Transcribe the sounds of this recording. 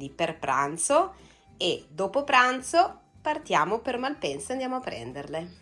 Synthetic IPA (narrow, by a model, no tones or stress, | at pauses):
d̪iperpɾa̰nt̪so | ed̪oːpopɾant̪so | part̪jaːmopermalpɛnsoand̪jaːmoapːɾɛ̰nd̪erle